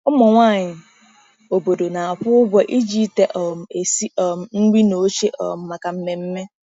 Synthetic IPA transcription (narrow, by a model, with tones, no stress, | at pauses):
ʊ˦mɔ˨ŋʷa˦˨ɲɪ˨ | o˨bo˨do˨na˨a˨ɸʊ˦ʊ˦ɡʷɔ˦ʔi˦d͡ʒi˦te˨ʔɔ˨m̩˨e˨si˦ɔ˨m̩˨n̩˦ɡ͡bi˦no˨˦t͡ʃe˦ʔɔ̰˨m̩˨ma˨ka˨m̩˦me˨m̩˦me˦